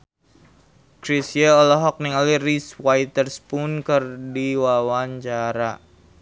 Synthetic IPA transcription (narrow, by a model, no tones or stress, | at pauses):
kɾisieɔlɔɦɔk̚niŋaliriswajt̪ərspʊnkɨrdiwawaɲt͡ʃaɾa